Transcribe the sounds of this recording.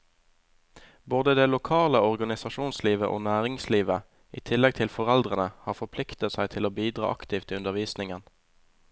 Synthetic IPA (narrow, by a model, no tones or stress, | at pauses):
boːd̪əd̪eːlʊkʰɑːləɔʁɡɑnɪsɑʃuːnsliːʋəʔo̰ːnæːʁɪŋsliːʋə | iːt̪ʰɪlɛɡ̚t̪ʰɪlfɔʁɛld̪ʁənəhɑːfɔpʰlɪkt̪ət̪sæɪt̪ʰɪloːbiːd̪ʁɑ̰ːʔɑkt̪iːft̪iːʉnd̪əʁʋiːsnɪŋən